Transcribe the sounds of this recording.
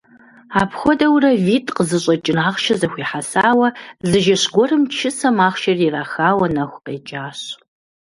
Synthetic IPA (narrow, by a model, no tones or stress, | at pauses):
aːpʰxʷɔdɐwrɐviːtʰʼqəzɨɕʼɐt͡ʃʼɪnaːʁʃɐzɐxʷiːħasaːwɐzɨʒɐɕɡʷɔrɨmt͡ʃʰɪsɐmaːχʃɐriraːxaːwɐnɐxʷqeːt͡ʃʼaːɕ